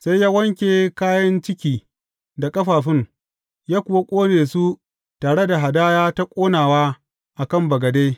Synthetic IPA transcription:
sa˦jjaː˦wɐ˦ŋkʲeː˨kaː˦jɐ˦nt͡ʃɪ˦kʲiː˨ | da˨kʼɐ˦ɸaː˨ɸɪ˦ŋ | jaː˦kʷʊ˨wa˦kʷʼoː˦neː˨su˦ | taː˨ɽe˦da˨ɦa˨daː˦jaː˦ta˦kʷʼoː˦naː˨waː˦ | ʔa˨kɐ˦˨mbɐ˨ɡɐ˨deː˦

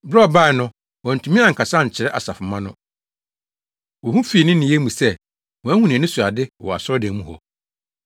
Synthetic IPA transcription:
bɾɔ˦˨ba˦˨ɛ˨nʊ̃˦ | wɔ̃˨n̩˨tʰu˨mĩ˦a˨ŋ̩˨kʰa˨sa˦˨ɲ̩˨t͡ɕʰɪ˨ɾɛ˦ʔa̰˨sa˨fʊ˨mã˦nʊ̃˦ | wɔ˨hũ˦fiː˨nɪ̃˦nɪ̃˨je˦mũ˨sɛ˦ | wɔ̃˨æ˦hũ˦nĩ˨nɪ̃˦su˨a˨dɪ˦ɔ˨ɔ˨a̰˨sɔ˦dɛ̃˨˦mũ˦hɔ̰˨

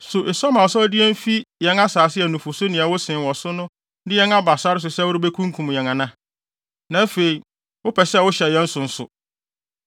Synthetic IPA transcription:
sʊ˨ʔe˨sɔ˦mã˨ɔ˨sɔ˦dɪ˦ɛ˦m˦fi˦jɛ̃˨na˦saː˨sɪ˦ɛ˨nũ˨fʊ˨sʊ˦nɪ̃˨a˨wʊ˦sɪ̃˨wɔ˨sʊ˦nʊ̃˦ | dɪ˦jɛ˦na˦ba˨sa˦ɾɪ˦s̬ʊ˨sɛ˦wʊ˦ɾʊ˦be˦kʰũ˦ŋ˦kʰũ˨m˨jɛ̃˨ŋã˨nã˦ | nã˨˦fe˨i˨ | wʊ˦pʰɛ˨sɛ˦˨wʊ˦ɕɛ˨ɛ̃˦n̩˦sʊ˨n̩˨sʊ̰˨

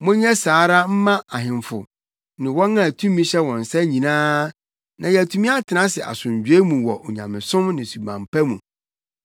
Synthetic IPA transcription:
mʊ̃˦ɲɛ˦saː˨˦ɾa˦m̩˦mã˦a˨ɦɪ̃˨mfʊ̰˨ | nɪ̃˨wɔ̃˦nã˦˨æ˨tʰũ˦mĩ˦ɕɛ˦wɔ̃˨n˨sɛ˦ɲĩ˨nãː˦ | nã˨jɛ˨æ˨tʰũ˦mĩ˦a˦tʰɪ˨nã˦sɪ˨ʔa̰˨sʊ̃˨ɲ˨d͡ʑᶣe˦mũ˨wɔ˨ʔɔ˨ɲã̰˨mɪ̰̃˨sʊ̃˦mnɪ̃˨su˨bã̰˨mpʰæ˦mũ˨

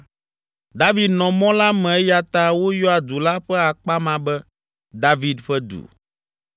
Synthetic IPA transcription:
d̪a˦vi˨d̪nɔ̃˨mɔ̃˦la˦mɛ̃˨ɛ˦ja˨t̪a˦wo˦jɔ˦a˨d̪u˨la˦ɸɛ˦a˨k͡pa˦mã˨bɛ˦ | d̪a˦vi˨d̪ɸɛ˦d̪ṵ˨

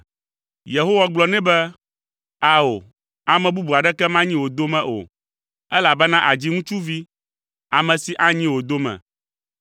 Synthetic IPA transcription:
je˨ɦo˦wa˦ɡ͡blɔ˨nɛ̃˦bɛ˦ | a˦o˨ | a˨mɛ̃˨bu˦bu˨a˨ɖɛ˦kɛ˦mã˦ɲĩ˦wo˨d̪o˦mɛ̃˨ʔo̰˨ | ɛ˦la˨bɛ˦nã˦ʔa˨d͡ʑi˦ŋũ˦t͡ʃu˦vi˦ | a˨mɛ̃˨si˨ʔa˦ɲĩ˦wo˨d̪o˦mɛ̰̃˨

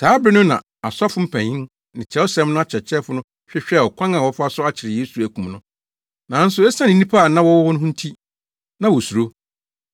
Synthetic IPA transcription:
tʰaː˨˦bɾɪ˦nʊ̃˦nã̰˨ | a˨sa˦fʊ˦m̩˦pʰæ̃˨ɲĩ˦n | nɪ̃˨t͡ɕʰɛ˦wɔ˦sɛ̃˦mnʊ̃˦a˦t͡ɕʰɛ˨t͡ɕʰɛ˦fʊ˦nʊ̃˦ | ɕᶣɪ˦ɕᶣɛ˦˨ɔ˨kʷʰã˦ŋã˨wɔ˦fa˦sʊ˦a˦t͡ɕʰɪ˨ɾɪ˨je˦su˨æ˨kũ˨mnʊ̃˦ | nã˨˦n̩˦sʊ˨ɛ˦sã˦nɪ̃˨˦nĩ˦pʰa˦˨nã˦wɔ˦wɔ˦wɔ˦nʊ̃˦ɦʊ̃˦n̩˦tʰi˦ | nã˨wɔ˨su˨ɾo˦

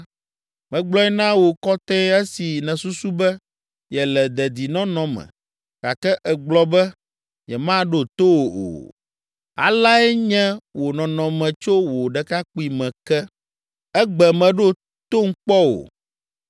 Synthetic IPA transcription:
mɛ̃˨ɡ͡blɔ˦ɛ˦nã˦wo˨kɔ˦t̪ɛ̃˦ɛ˦si˨nɛ̃˨su˦su˦bɛ˦ | jɛ˨lɛ˨d̪ɛ˨d̪i˨nɔ̃˦nɔ̃˦mɛ̰̃˨ | ka˨kɛ˦ʔɛ˨ɡ͡blɔ˦bɛ˦ | jɛ˨mã˦ɖo˦t̪o˦wo˨o̰˨ | a̰˨la˦ɛ˦ɲɛ̃˦wo˨nɔ̃˨nɔ̃˨mɛ̃˨t͡ʃo˦wo˨ɖɛ˨ka˦k͡pu˦i˨mɛ̃˨kɛ˦ | ɛ˦ɡ͡bɛ˨mɛ̃˨ɖo˦˨ | t̪o˦ŋ̩˦k͡pɔ˦wo̰˨

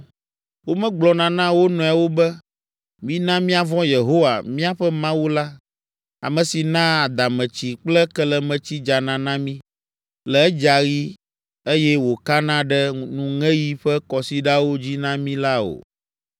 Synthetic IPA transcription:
wo˦mɛ̃˦ɡ͡blɔ˨nã˨nã˦wo˦nɔ̃˨a˨wo˦bɛ˦ | mĩ˦nã˦mĩ˦a˨vɔ̃˦je˨ɦo˦wa˨mĩ˦a˨ɸɛ˦mã˦wu˦la˦ | a̰˨mɛ̃˨si˨nã˦a˨d̪a˨mɛ̃˨t͡ɕi˨k͡plɛ˦kɛ˦lɛ˨mɛ̃˨t͡ɕi˦d͡ʒa˨nã˨nã˦mĩ˦ | lɛ˨ɛ˦d͡ʒa˨ɣi˦ | e˦jɛ˦wo˨ka˦nã˦ɖɛ˦nũ˨ŋɛ̃˦ji˦ɸɛ˦kɔ˨si˦ɖa˦wo˦d͡ʑi˦nã˦mĩ˦la˦o̰˨

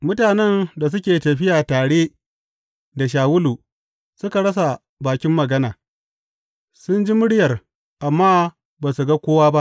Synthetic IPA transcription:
mʊ˦taː˨nɛ˦nda˨s̬ʊ˦kʲeː˨tɐ˨ɸɪ˦jaː˨taː˨ɽeː˦ | da˨ʃ̬aː˨wʊ˦luː˨ | sʊ˦ka˨ɽɐ˦s̬a˨ | baː˨kʲɪ˦mːɐ˨ɡɐ˦naː˨ | sʊ˦nd͡ʒi˦mʊ˦ɽɪ˦jɐ˨r | ʔa˨mːaː˦ | baː˨su˨ɡa˦kʷoː˦waː˦ba˦ʔ

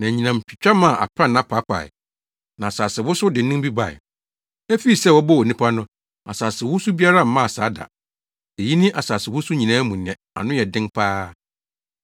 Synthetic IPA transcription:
nã˨ɲĩ˨nã˨m̩˨pʰi˨t͡ɕᶣa˦mã˦˨ʔa̰˨pʰɾã˦nã˦pʰa˨˦pʰa̰˨ɪ̰˨ | nã˨saː˨sɪ˨wʊ˦sʊ˦dɪ˨n̩˦nʊ̃˦m˦bi˦ba˦˨ɛ̰˨ | æ˦fi˦i˨sɛ˦˨wɔ˦bɔ˦wɔ˨nĩ˦pʰa˦nʊ̃˦ | a̰˨saː˨sɪ˨wʊ˦su˦bi˦a˦ɾa˦˨m̩˦mã˦˨saː˨˦da̰˨ | e˨ji˦nɪ̃˦ʔa˨saː˨sɪ˨wʊ˦sʊ˦ɲĩ˨nãː˦mũ˨nɪ̃˨ɛ̃˨a̰˨nʊ̃˦jɛ˨dɪ̃˦ŋpʰaː˦

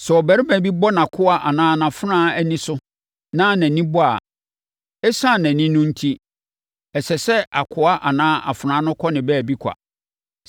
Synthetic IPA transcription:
sɛ˨ɔ˨bæ˨ɾɪ˦bæ̃˨˦bi˦bɔ˦nã˨kʰʊ˦a˦ʔa˨nãː˦nã˨fʊ˦nãː˦æ˦nĩ˦sʊ˦ | nã˦næ̃˨nĩ˦bɔ˦a̰˨ | ɛ˦sã˦˨næ̃˨nĩ˦nʊ̃˦n̩˦tʰi˦ | ɛ˨sɛ˨sɛ˦ʔa˨kʰʊ˨˦a˦ʔa˨nãː˦ʔa̰˨fʊ˨ɾãː˨˦nʊ̃˦kʰɔ˦nɪ̃˨bɛ˦˨bi˦kʷʰa̰˨

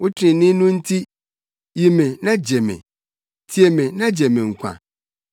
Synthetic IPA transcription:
wʊ˦tʰɪ˦ɾɪ̃˨˦nɪ̃˦nʊ̃˦n̩˦tʰi˦ | ji˨mɪ̃˨nã˦d͡ʑɛ˨mɪ̰̃˨ | tʰi˨e˨mɪ̃˨nã˦d͡ʑɛ˨mɪ̃˨ŋ̩˨kʷʰã̰˨

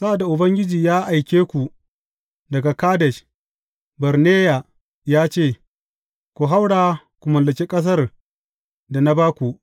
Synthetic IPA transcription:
sa˦ʔa˨da˨ʔʊ˨bɐ˦ŋɡʲɪ˦d͡ʒiː˨jaː˦ʔa˨jkʲeː˦kʷu˨ | dɐ˨ɡa˨kaː˦dɛ˨ʃ | bɐ˨ɾneː˦ja˨ | jaː˦t͡ʃeː˦˨ | kʷu˨ɦa˦wɽaː˨ | kʷu˨mɐ˨lɐ˨kʲe˦kʼɐ˦s̬ɐ˦r | da˨na˦baː˦kʷu˨ʔ

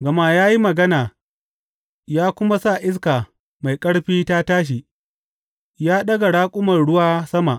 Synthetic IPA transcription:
ɡɐ˨ma˦jaː˦ji˦mɐ˨ɡɐ˦naː˨ | jaː˦kʷʊ˦ma˦sa˦˨ʔɪ˦s̬kaː˨ | ma˨jkʼɐ˦ɽɸiː˦ta˦taː˦ʃ̬i˨ | jaː˦ɗɐ˦ɡa˨ɽaː˦kʷʼʊ˦mɐ˨nɽʊ˦waː˦sɐ˦ma˨ʔ

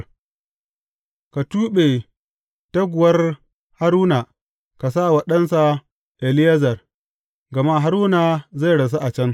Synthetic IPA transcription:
ka˨tuː˦ɓe˨ | tɐ˦ɡʷʊ˨wɐ˦r | ha˦ɾuː˦na˨ | ka˨saː˦˨wɐ˨ɗɐ˦nsa˨ | ʔɛ˨lɪ˦jɐ˦zɐ˨r | ɡɐ˨ma˦ɦa˦ɾuː˦na˨za˦˨ɽɐ˨s̬a˦ʔa˨t͡ʃɐ˦n

